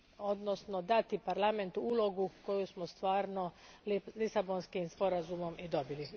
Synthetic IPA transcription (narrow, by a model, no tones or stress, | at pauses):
o̞d̪nosnod̪at̪ipaɾlˠament̪uuːlo̞ɡuko̞jusmost̪ʋaːɾnolisabonskimspo̞ɾazumo̞mid̪o̞bili